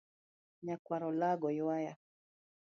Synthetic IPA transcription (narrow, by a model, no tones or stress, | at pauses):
ɲakwaɾɔlaɡɔjwaja